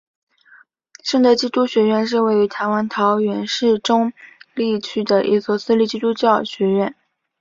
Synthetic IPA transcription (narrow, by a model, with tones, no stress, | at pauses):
ʂɤ˥˧ŋt̪ə˥˧˩t͡ɕi˥t̪u˥ɕɥɛ˧˥ɥɛ˥˧nʂ̬ɻ̩˥˧we˥˩ɪy˧˥t̪ʰa˧˥ɪwa˧˥nt̪ʰɑ˧˥ʊɥɛ˧˥nʂɻ̩˥˩ʈ͡ʂʊ˥ŋli˥˩t͡ɕʰy˥d̪ə˨ʔḭ˥˩t͡swɔ˥˩sɹ̩˥li˥˧˩t͡ɕi˥˧t̪u˥t͡ɕjɑ˥˩ʊɕɥɛ˧˥ɥɛ˥˩n